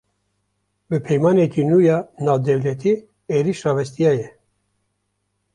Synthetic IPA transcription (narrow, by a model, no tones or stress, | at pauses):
bɨpʰɛjmɑːnekiːnuːjɑːnaːvd̪ɛvlɛt̪ʰi | eːɾiʃrɑːvɛst̪ijɑːjɛ